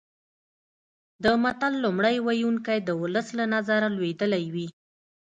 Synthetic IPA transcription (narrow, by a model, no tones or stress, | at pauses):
d̪əmat̪alːʊmɽajwajuŋkajd̪əwʊləslanazaɾalwed̪əlajwi